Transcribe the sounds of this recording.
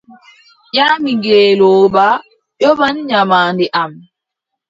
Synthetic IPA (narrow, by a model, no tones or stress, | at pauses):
ɲaːmiŋɡɛːlɔːba | jɔbanɲamaːndiʔam